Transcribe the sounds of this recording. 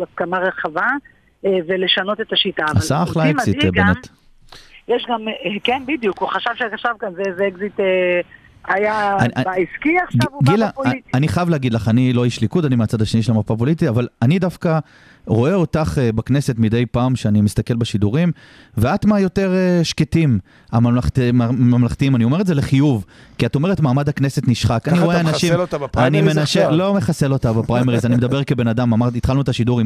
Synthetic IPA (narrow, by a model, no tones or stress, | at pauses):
laskamaʁeχava | vele̞ʃano̞t̪e̞t̪aʃitaːvaasaaχlasitbemet̪ | jeʃɡamkenbid̪jukuχaʃavʃekaʃavkanzezeeɡzit̪e | ajaanabaiskiavɡilaianiχajavleaɡidlaχanilojiʃlikutanimeat͡sad̪aʃeniʃeamaʁpap̬o̞litiavalanidafka | ʁo̞e̞o̞taχbakne̞se̞tmid̪ejpaːmʃeanimist̪ake̞lbeʃiduʁim | veatmajo̞te̞ʁeʃketim | amatmmamlaχt̪iimanio̞me̞ʁetzele̞χijuvkiato̞meetmaːmadhakne̞se̞tniʃχakanniʁoeanaʃimtanimenaʃelo̞me̞χase̞lo̞tabapʁajmeʁizanimed̪abeʁkebe̞nadamamaʁit̪χalnuetaʃiduʁim